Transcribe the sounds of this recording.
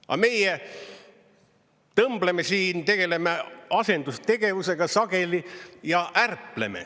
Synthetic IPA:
ʔɑ̰me̞je | t̪ɤmblemesiːnt̪e̞ɡ̥e̞le̞meɑse̞nd̪ust̪e̞ɡ̥e̞vuse̞ɡ̥ɑsɑɡe̞lijɑʔærple̞̰mḛ

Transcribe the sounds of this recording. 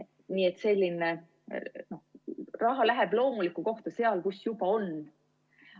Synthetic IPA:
niːe̞t̪ːˑse̞lʲːine | no̞hrɑɦɑlæɦeb̥lo̞ːmulikːˑuko̞ht̪ɑse̞ɑlkusjub̥ɑo̞n

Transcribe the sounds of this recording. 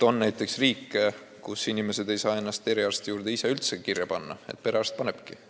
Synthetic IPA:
t̪onnæjt̪ˑːe̞ksriːkːˑe | kusinimese̞d̪e̞jsɑːe̞nːɑst̪e̞ɾiɑrst̪ejuːɾd̪e̞iseylt̪sekirjɑpɑnːɑ̰ḛt̪̚pe̞ɾeɑrst̪̚pɑneb̥ki

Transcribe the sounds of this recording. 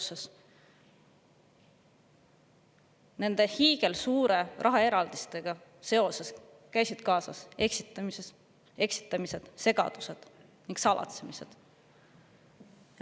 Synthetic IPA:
ses | ne̞nd̪̥e̞hiːɡ̥e̞lsuːɾe̞rʔɑɦɑeɾɑld̪̥ist̪e̞ɡ̥ɑse̞o̞se̞s | kæjsid̪̥kɑːsɑ̰se̞ksit̪ːˑɑmises | e̞ksi̥t̪ːˑɑmise̞d̪̥se̞ɡ̥ɑ̰d̪̥use̞d̪̥ | niŋɡsɑlʔɑ̰t̪semise̞̰d̪̥

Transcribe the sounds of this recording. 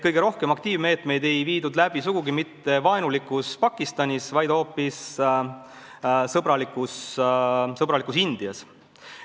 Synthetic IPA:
kɤjɡeɾo̞hkemɑkt̪iːvme̞ːt̪me̞jd̪e̞jviːd̪ud̪læb̥isuɡ̥uɡimit̪ːe̞vɑenulikːˑuspɑkːˑist̪ɑnʲisvɑjd̪̥ho̞ːpːis | sɤbɾɑlikːˑus | sɤbɾɑlikusind̪̥iɑs

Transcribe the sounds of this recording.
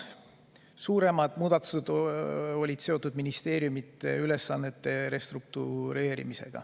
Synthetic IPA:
suːɾe̞mɑd̪̥muːd̪̥ɑt̪ːˑu̥sed̪̥o̞lʲid̪̥se̞o̞t̪ːˑud̪minist̪e̞ːɾjumit̪ˑːeyle̞sːɑnːe̞t̪ːe̞ɾe̞st̪ruk̚t̪uɾe̞ːɾḭmise̞̰ɡ̥ɑ̰

